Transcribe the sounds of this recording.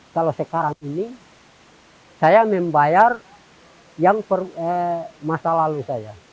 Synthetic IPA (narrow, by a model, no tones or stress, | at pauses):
kalosəkaɾaŋini | sajamɛmbajar | jaŋpərəmasalalusaja